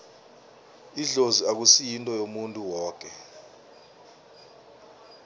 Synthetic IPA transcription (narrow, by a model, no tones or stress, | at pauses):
iɮoziak̬usijintʼɔjomuntʼuwɔːk̬ʼɛ